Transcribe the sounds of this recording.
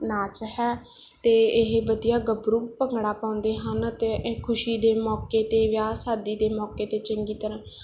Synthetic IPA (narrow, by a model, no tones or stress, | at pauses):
naːt͡ʃɦɛː | t̪eːɪɦʋəd̪ijaːɡəbɾuːpəŋɡɽaːpãːʊ̃nd̪eːɦənt̪eːkʰʊʃiːd̪eːmɔːkeːt̪eːʋjaːsaːd̪iːd̪eːmɔːkeːt̪eːt͡ʃəŋɡiːt̪əɾãː